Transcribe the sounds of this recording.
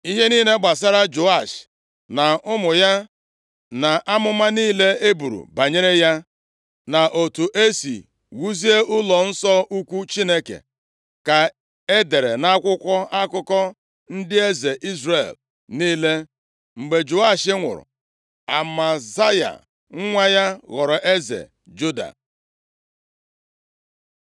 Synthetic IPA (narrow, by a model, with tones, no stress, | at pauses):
i˦ɦe˦niː˦ne˦ɡ͡ba˨s̬a˦ɾa˦d͡ʒo˨a˦˨ʃ | na˨ʊ˦mʊ˨ja˦ | na˨ʔa˦mʊ˦ma˦niː˦le˦e˦bu˨ɾṵ˨ba˨ɲe˦ɾe˦ja˦ | na˨ʔo˨tu˨ʔe˦sḭ˨ | wu˦zi˦e˦ʔʊ˦lɔ˨n̩˦sɔ˦u˦kʷu˦t͡ʃi˦ne˦kḛ˨ | ka˨ | e˦de˨ɾe˨na˦kʷʊ˦kʷɔ˦ʔa˦kʊ˦kɔ˦ | n̩˦dɪ˦e˦ze˨ʔi˦zɾe˨l | niː˦le˦ | ŋ͡m̩˨ɡ͡be˨d͡ʒʊ˨a˦˨ʃɪ˦ŋʷʊ̰˨ɾʊ̰˨ | a̰˨ma˨za˦ja̰˨ | ŋ̩˦ŋʷa˦ja˦ɣɔ˨ɾɔ˨ʔe˦zḛ˨ | d͡ʒu˦da̰˨